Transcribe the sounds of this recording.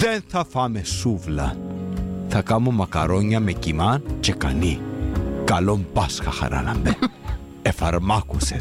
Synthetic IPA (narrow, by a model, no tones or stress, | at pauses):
ðenθɐfɐmesuvlɐ | θɐkamomɐkɐɾoɲɐmecimant͡ʃekanikɐlompasxɐxɐ̰ɾʔa̰lɐ̰mbe | efɐɾmakuse